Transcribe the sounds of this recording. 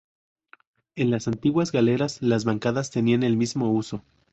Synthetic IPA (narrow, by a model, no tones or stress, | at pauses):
e̞nlasant̪iɣwazɣale̞ɾaslazβaŋkaðast̪e̞niane̞lmizmo̞uso̞